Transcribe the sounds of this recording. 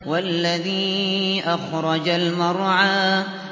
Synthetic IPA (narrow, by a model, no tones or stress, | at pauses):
walːaðiːʔaxɾˤɑd͡ʒalmɑɾˤʕaː